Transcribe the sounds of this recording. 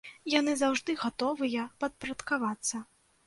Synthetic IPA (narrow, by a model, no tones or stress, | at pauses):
jan̪ɨzawʐd̪ɨɣat̪ɔvɨjɐpɐt̪̚pɾɐt̪kavat̪sːɐ